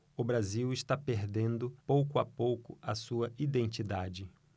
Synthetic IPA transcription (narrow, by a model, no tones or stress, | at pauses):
ʊbɾaziwɪʃt̪apeɾd̪ẽnd̪ʊpowkʊapowkʊɐsuɐʔid̪ẽnt͡ʃid̪ad͡ʒɪ